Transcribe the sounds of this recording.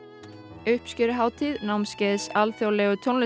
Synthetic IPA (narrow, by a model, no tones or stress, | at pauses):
œhpscʏɾʏɦaːwt̪ʰiðnawmscɛːðsalθjowlɛːɣʏt̪ʰjonlɪ